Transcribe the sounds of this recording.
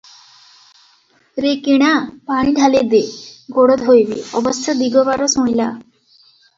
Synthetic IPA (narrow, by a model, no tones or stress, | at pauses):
ɾekiɽ̃apaɽ̃ĩdʱaled̪eɡoɽət̪ɦojʋḭːɔbəst̪ʰəd̪iɡɔbaɾɔsõjla̰